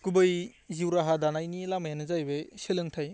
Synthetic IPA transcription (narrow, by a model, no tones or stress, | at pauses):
ɡ̥ubɯjziwɾaɦadanajnilamajanɯzajbeselɯŋtʰaj